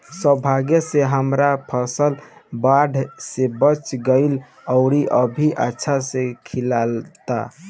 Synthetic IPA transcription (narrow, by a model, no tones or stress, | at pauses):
səbʱaɡjəseɦəmɾapʰəsəlbaɖʱsebət͡ʃɡəɪl | əʊɾiʔəbʱiʔə̰tːʃʰasekʰilalt̪a̰